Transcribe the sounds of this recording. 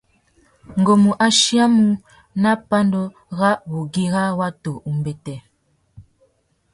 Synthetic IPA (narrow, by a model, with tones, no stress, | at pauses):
ŋ̩˨ɡo˨mu˨ʔa˦ʃi˦a˦mu˦ | na˦pa˦ndɔ˦ | ɣa˦βu˨ɡi˦ɣa˦wa˦to˨u˨mbɛ˨tɛ˨